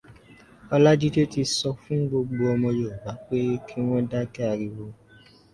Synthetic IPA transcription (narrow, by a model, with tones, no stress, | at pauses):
ɔ˧la˦d͡ʒi˦to˦ti˧sɔ˧fũ˦ɡ͡bo˧ɡ͡bo˧ɔ˧mɔ̃˧jo˨ba˨˦k͡pe˦kʰi˦w̃ɔ̃˦da˦kɛ˦a˧ɾi˧wo˧